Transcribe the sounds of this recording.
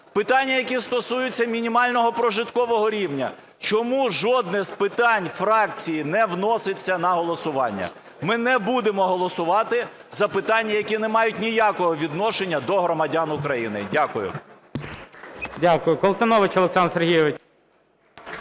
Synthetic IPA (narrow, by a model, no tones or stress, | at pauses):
pɪt̪ɑnʲːɐjɐkʲist̪ɔsujʊt͡sʲːɐmʲinʲimɑlʲnɔɦɔpɾɔʒɪt̪kɔʋɔɦɔɾʲiwnʲɐ̰ | t͡ʃɔmuʒɔd̪nɪzpɪt̪ɑnʲfrɑk̚t͡sʲijinɛwnɔsɪt͡sʲːɐnɐɦɔlˠɔsʊʋɑnʲːɐ̰ | mɪnɛbud̪emɔɦɔlˠɔsʊʋɑt̪ɪ | zɐpɪt̪ɑnʲːɐjɐkʲinɛmɑjʊtʲnʲijakɔɦɔʋʲid̪nɔʃenʲːɐd̪ɔɦɾɔmɐdʲanʊkɾɐjinɪ̰dʲakʊjʊ̰ | dʲakʊjʊkɔlˠt̪ɐnɔʋɪt͡ʃɔlˠeksɑnserɦʲijɔʋɪt͡ʃ